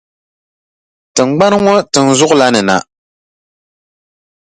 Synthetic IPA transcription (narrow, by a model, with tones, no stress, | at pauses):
tɨ˨ŋ͡mɡ͡ba˦nɨ˦ŋɔ˦tɨ˨n̩˨zʊ˦ʔʊ˦la˦nɨ˨na̰˨